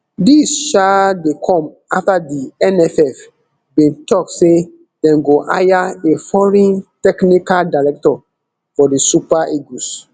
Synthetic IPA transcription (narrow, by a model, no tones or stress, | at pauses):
disʃadekʰɔ̃m | aftadiɛnɛfɛf | bĩntʰɔkse | dɛ̃mɡoʔa̰jaefɔɹɛ̃ntɛknikaldaɹɛk̚tɔ | fɔdisupaʔeɡus